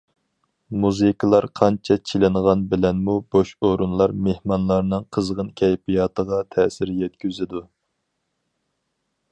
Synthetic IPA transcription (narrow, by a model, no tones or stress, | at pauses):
muzɨkʰlˠɑɾqʰɑnt͡ʃʰɛt͡ʃʰilɪnʁɑnbɪlɛnmuboʃoɾunlˠɑɾmehmɑnlˠɑɾnɨŋqʰəzʁənkʲʰɛjpijɑːt̪ʰəʁɑt̪ʰɛsɪɾjɛt̪kʲyzɪd̪u